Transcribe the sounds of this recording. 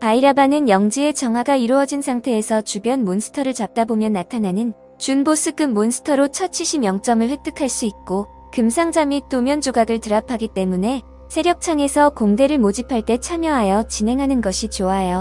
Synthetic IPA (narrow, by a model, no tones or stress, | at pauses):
aiɾabanɯnjʌŋd͡ʑie̞t͡ɕʌŋɦwaɡaiɾuʌd͡ʑinsʰaŋtʰe̞ːsʰʌt͡ɕubjʌnmonsʰɯ̥tʰʌɾɯɭt͡ɕap̚t͈abomjʌnːatʰananɯn | t͡ɕunbos͈ʰɯɡɯmːonsʰɯ̥tʰʌɾot͡ɕʰʌt̚t͡ɕʰiɭɕʰimjʌŋt͡ɕ͈ʌmɯɭɸek̚t͈ɯkʰaɭs͈uik̚k͈o | kɯmsʰaŋd͡ʑamit͈omjʌnd͡ʑoɡaɡɯɭtɯɾapʰaɡit͈e̞mune̞ | sʰe̞ɾjʌk̚t͡ɕʰaŋe̞sʰʌkoŋde̞ɾɯɭmod͡ʑipʰaɭt͈e̞t͡ɕʰamjʌɦajʌt͡ɕinɦe̞ŋɦanɯnɡʌɕʰit͡ɕoajo